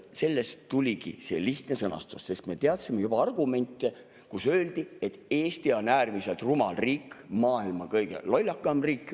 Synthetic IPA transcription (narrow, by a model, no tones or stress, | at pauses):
se̞lːe̞st̪ulʲikḭse̞̰liht̪nesɤnɑ̰st̪usse̞st̪me̞t̪e̞ɑt̪simejubɑɑrɡ̥ume̞nʲt̪ːˑe | kusø̞ːld̪ie̞t̪ːˑeːst̪io̞næːrmise̞lt̪rumɑlriːkːmɑːilmɑkɤjɡ̥ḛlolʲːɑkːˑɑmriːkːˑ